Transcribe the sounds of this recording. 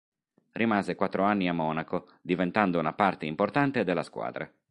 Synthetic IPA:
rʔimaːzekwat̪ːɾoanːiamːɔːnako | d̪ivent̪and̪ounapart̪eimport̪ant̪ed̪elːaskwa̰ːd̪ɾa̰

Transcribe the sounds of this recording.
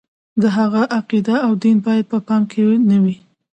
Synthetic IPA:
d̪əɦaɣaʔaqid̪aːwd̪inbɑjad̪̚pəpɑmkʰenawi

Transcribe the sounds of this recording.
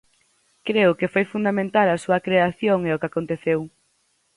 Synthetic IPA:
kɾeʊkɪfojfund̪amẽnt̪alɐsuɐkɾeaθjoŋeʊkakont̪eθew

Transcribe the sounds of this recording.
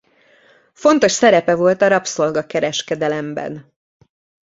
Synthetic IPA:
fo̞nt̪o̞ʃsɛɾɛpɛvo̞lt̪ɒɾɒpso̞lɡɒkɛɾɛʃkɛd̪ɛlɛmbɛ̰n

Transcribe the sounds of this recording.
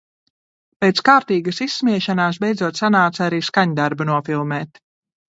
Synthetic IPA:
pɛːt̪skaːɾt̪iːɡasisːmiɛʃanaːs̬bɛjd̪zuɔt̪sanaːt̪saɾiːskaɲd̪aɾbunuɔfilˠmɛːt̪

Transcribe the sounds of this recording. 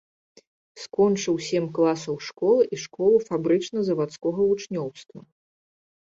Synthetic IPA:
skɔnt͡ʂɨwsʲɛmʲklˠasɐwʂkɔlˠɨʔiʂkɔlˠufabɾɨt͡ʂnɐzɐvat̪skɔɣɐvut͡ʂnʲɔwst̪vɐ

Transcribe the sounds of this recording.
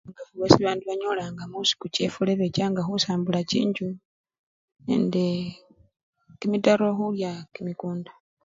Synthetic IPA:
ŋɡaβesiβaːndiβaɲo̞laŋɡamusi̥kuce̞fuleβecaːŋɡaxusaːmbulacḭːɲɟu | ḛnde | kimidaɾo̞ːxuljakimikuːnda

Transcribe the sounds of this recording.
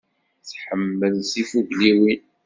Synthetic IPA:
θħəmːəðsifuʝliwin

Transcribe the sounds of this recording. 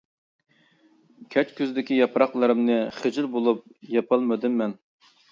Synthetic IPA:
kʲʰɛt͡ʃkʲʰøzd̪ɪkʲijɑpɾɑχlˠɨɾɨmnɨχɪd͡ʒɪlbolˠup̚jɑpʰɨlˠmɨd̪ymːɛn

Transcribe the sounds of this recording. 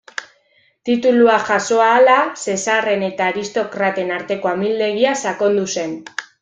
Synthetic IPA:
t̪it̪uluaʝaso̞aːlase̞sare̞ne̞t̪aːɾist̪o̞kɾat̪e̞naɾt̪e̞ko̞amild̪e̞ɣiasako̞nd̪use̞n

